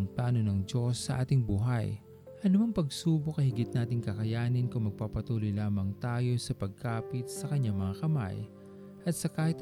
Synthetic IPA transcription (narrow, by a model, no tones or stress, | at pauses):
ŋplaːno̞nɐŋd͡ʒo̞sːɐʔaːt̪ɪŋbuːɦaj | ʔɐnʊmɐŋpɐɡsuːbokɐhɪɡɪt̪̚naːt̪ɪŋkɐkɐjaːnɪnkʊŋmɐɡ̚papɐt̪uːlojlaːmɐŋt̪aːjo̞sɐpɐɡ̚kaːpɪt̪̚sɐkɐɲːaŋmɐŋakɐma̰j | ʔɐt̪̚sɐkaːhɪt̪̚